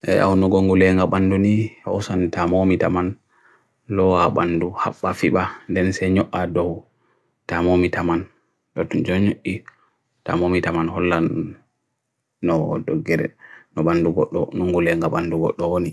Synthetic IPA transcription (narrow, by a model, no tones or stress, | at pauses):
ʔɛ̰ʔa̰wnɔɡoŋɡulɛŋɡaɓandunihɔwsantamomita̰man | lɔwaɓa̰nduha̰ɓːafiɓandɛnsɛɲɔʔːadɔw | tamomitaman | ɗɔtud͡ʒɔɲoʔːi | ta̰momitamanhɔlːan | nɔdɔɡːɛɾɛ̰nɔɓanduɡɔɔnɔŋɡulɛŋɡaɓanduɡɔ̰ɗːɔwoni